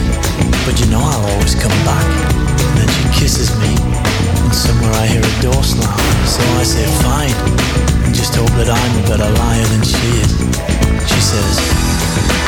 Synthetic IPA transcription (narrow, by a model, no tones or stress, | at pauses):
b̥ʌt͡ʃɨnoʊaɪlˠɔlˠwiz̥kʰʌ̃mbæk | ɨ̃nðɨ̃nʃikʰɪsɨzmi | ɨ̃nsʌ̃mwɛɹaɪhiɹɨdɔɹslãɪ̃msoʊaɪseɪfãɪ̃n | ɨ̃nd͡ʒʌsthoʊl̚ˠðɨɾãɪ̃mɨbɛɾəlaɪə˞ðɨ̃nʃiɪz̥ | ʃisɛz̥